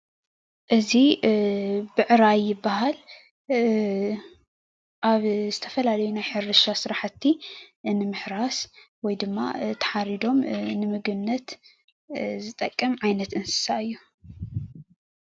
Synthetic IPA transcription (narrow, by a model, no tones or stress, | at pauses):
ʔɨzi | bɨʕɾajːɪbːaɦal | ʔaβzɨt̪ʰɐfɐlalɐjunajħɨɾɨʃasɨɾaħat̪ʰːinɨmɨħɾas | wɔjd̪ɨmːa̰t̪ʰɐ̥ħaɾid̪o̞mnɨmɨɡɨnnːɐt̪ | zɨt̪ʼɐkʼːɐmʕajnɐt̪ɨnsɨ̥saɨjːu